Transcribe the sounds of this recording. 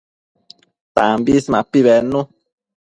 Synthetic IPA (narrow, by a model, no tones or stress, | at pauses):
t̪ambismãpiβɛnũ